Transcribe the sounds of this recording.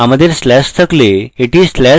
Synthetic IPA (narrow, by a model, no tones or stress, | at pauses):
aməd̪ʱjeɾslɛst̪ʰəkleiʈiːzslæ